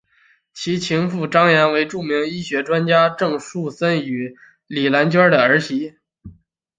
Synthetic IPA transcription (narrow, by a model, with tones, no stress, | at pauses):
t͡ɕʰi˧˥t͡ɕʰi˧˥ŋfu˥˩ʈ͡ʂɑ˥ŋjɛ˧˥nwe˧˥ɪʈ͡ʂu˥˩mi˧˥ŋi˥ɕɥɛ˧˥ʈ͡ʂwa˥nt͡ɕja˥ʈ͡ʂɤ˥˧ŋʂu˥˩sə˥ny˨˩ | li˨˩la˧˥nt͡ɕɥwa˥d̪ə˨ə˞˧˥ɕʰi˧˥